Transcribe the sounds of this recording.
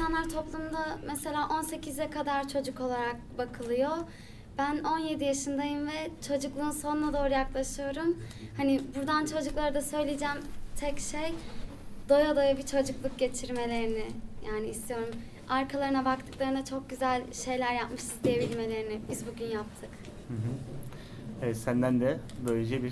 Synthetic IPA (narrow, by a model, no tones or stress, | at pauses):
isanˠaɾt̪ʰo̞plˠumd̪amɛse̞lʲaːʔo̞nse̞cʰizɛkʰad̪aɾt͡ʃʰo̞d͡ʒuko̞lˠaɾak̚bakʰɯlˠɯjo | bæno̞nje̞d̪ijaʃɯnd̪ajɯmvɛt͡ʃʰod͡ʒuklˠɯːnso̞nnˠad̪o̞ːɾujaklˠaʃɯjo̞ɾum | hanibuɾd̪ant͡ʃʰo̞d͡ʒuklˠaɾad̪asø̞jlʲid͡ʒɛmt̪ʰɛcʃej | d̪̥o̞jad̪o̞jabit͡ʃʰo̞d͡ʒuklˠuk̚ɟe̞t͡ʃʰiɾme̞lʲe̞ɾinɪjaːniːst̪ʰijo̞ɾum | aɾkʰalˠaɾɯnabakt̪ʰɯ̥klˠaɾɯnat͡ʃʰo̞k̚ɟyzælʲʃe̞jlʲæɾjapmɯʃist̪ʰijebilʲme̞lʲe̞ɾinibizbuɟʲynjap̚t̪ʰɯk | hɯɦ̩ | ɛɛsænd̪ænd̪ɛbøled͡ʒɛbiɾ